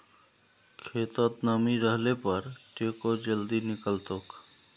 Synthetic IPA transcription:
kʰeːt̪ət̪naːmiɾəɦlepɐɾʈeːkod͡ʒəld̪inɪkəlt̪ʊk

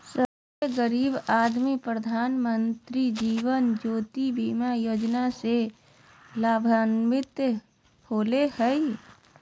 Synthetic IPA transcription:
səbseɡəɾiːbaːd̪mipɾəd̪ʱaːnmə̃nt̪ɾid͡ʒiːʋənd͡ʒoːt̪ibiːmajoːd͡ʒnase | laːbʱanmɪt̪ | hoːlehɛi

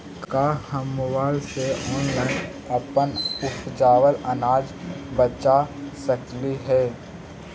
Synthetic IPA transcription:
kahəmːʊbaːlseɔːnlaːɪn | əpənʊpʰd͡ʒaːwələnaːd͡ʒbət͡ʃasəkliɦɛː

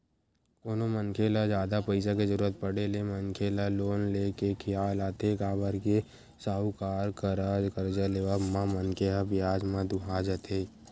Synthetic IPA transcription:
koːnoməŋkʰeːlad͡ʒjaːd̪apəɪsakezəɾuːɾət̪̚pəɽeleməŋkʰeːlaloːnleːkekʰɪjaːlaːt̪ʰekaːbəɾke | saːɦukaːɾkəɾaːd͡ʒkəɾd͡ʒaleːʋamamənkeɦabɪjaːd͡ʒmə̃d̪ʊɦaːd͡ʒət̪ʰeː

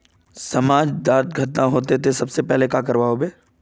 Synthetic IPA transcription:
sɐmaːd͡ʒd̪aːɾt̪̚ɡʱət̪naɦoːt̪et̪ʰesɐbsepɛɦlekakɐɾʋaːobeː

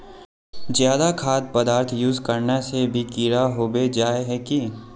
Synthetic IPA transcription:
zjaːd̪akʰaːd̪̚pəd̪aːɾt̪ʰjuːzkɐɾnasebʱiɡiːɾaɦoːbed͡ʒaːeɦɛki

